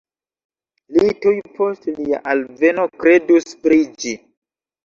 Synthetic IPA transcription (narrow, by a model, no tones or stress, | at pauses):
litujpʰo̞stlia̰ʔalve̞nokɾe̞duspɾid͡ʒi